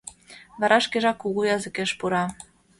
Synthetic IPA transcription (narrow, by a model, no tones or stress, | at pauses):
βɑɾʔɑʃkeʒɑkːuɣujɑzə̆keʃpuɾɑ